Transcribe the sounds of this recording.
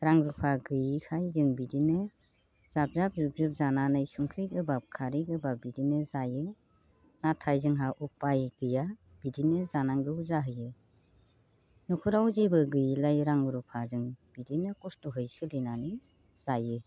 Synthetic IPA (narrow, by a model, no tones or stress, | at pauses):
ɾaŋɾupʰaɡɯjkʰajzɯŋbidinɯ | z̥ap̚zap̚zup̚zup̚zananajsuŋkʰɾijɡɯbakʰaɾiɡɯbabidinɯzajɯ | natʰajzɯŋɦaʔupajɡɯja | b̥idinɯzanaŋɡɯzaɦɯjɯ | nukʰuɾawzibɯɡɯjlajɾaŋɾupʰazɯŋb̥idinɯkustuɦɯjsɯlɯnanɯ | z̥ajɯ